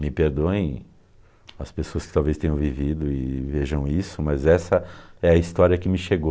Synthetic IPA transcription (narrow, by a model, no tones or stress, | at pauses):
mɪpeɾd̪õẽj̃ | ɐspesoɐskɪ̥t̪awvest̪ẽɲʊ̃vivid̪ʊɪveʒɐ̃w̃isʊmɐzɛsɐɛɐist̪ɔɾiɐkɪmɪʃeɡo